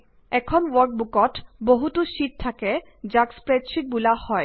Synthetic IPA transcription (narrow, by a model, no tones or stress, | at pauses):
ɛkʰonwɔɾk̚bukɔʈboɦut̪uʃiʈ̚t̪ʰake | d͡ʑakspɾedʃiʈ̚bulahɔe